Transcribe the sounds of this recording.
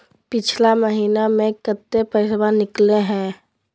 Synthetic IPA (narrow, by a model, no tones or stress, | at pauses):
pɪt͡ʃʰlaməɦiːnamẽkət̪ːepəːsbanɪkleɦɛ̃ː